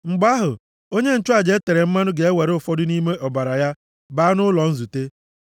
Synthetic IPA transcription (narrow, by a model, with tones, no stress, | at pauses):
ŋ͡m̩˨ɡ͡ba˦ɦʊ˨ | o˦ɲe˦n̩˨t͡ʃʊ˦a˨d͡ʒe˨˦e˦te˨ɾe˨m̩˦ma˦nʊ˦ɡe˨e˦we˨ɾʊ˦˨fɔ˦dʊ˦ni˦me˦ʔɔ˨ba˨ɾa˨ja˦ | ba˦nʊ˦lɔ˨n̩˦zu˨te˦